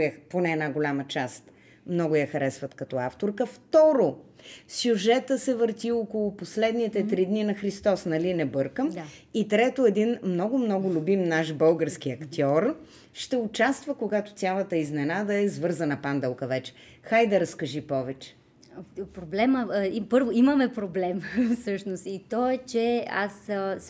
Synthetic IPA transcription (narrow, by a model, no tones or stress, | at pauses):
jɐponɛːnaɡʊlʲamət͡ʃast̪ | mnɔɡʊjɐxɐɾɛsvɐt̪kɐt̪ɔaft̪oɾkəft̪ɔɾosʲjuʒɛt̪əsɛvəɾt̪ʲiɔkʊlˠʊposlɛd̪nit̪ɛt̪ɾid̪ninɐxɾist̪ɔsnɐlinɛbɤɾkəm | it̪ɾɛt̪oɛd̪inmnɔɡʊmnɔɡʊlʲʊbimnaʃbɤlˠɡəɾskiɐkt̪ʲɔɾ | ʃt̪ɛʊt͡ʃast̪vəkoɡat̪ʊ̥t̪sʲjalˠət̪əiznɛnad̪əɛzvɤɾzənɐpand̪ɛlˠkəvɛt͡ʃɛ̥ | xajd̪ɐɾɐskɐʒipɔvɛt͡ʃɛ̥ | pɾoblɛməipɤɾvoimɐmɛpɾoblɛmfsɤʃnost̪it̪ɔɛt͡ʃɛa̰s